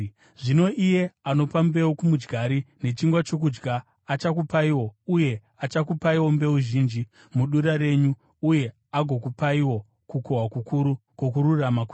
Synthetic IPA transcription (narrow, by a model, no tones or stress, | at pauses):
ʐino̞ʔije̞ano̞pambe̞wokumud͡ʒɡʱaɾine̞t͡ʃiŋɡwat͡ʃo̞k̬ud͡ʒɡaː | t͡ʃak̬upaiwo̞uje̞ | at͡ʃakupaiwo̞mbe̞uʒiːnd͡ʒi | muɗuɾaɾe̞ɲu | uje̞ | aɡʱo̞kupaiwo̞ | kukoɦwakukuɾukokururamaku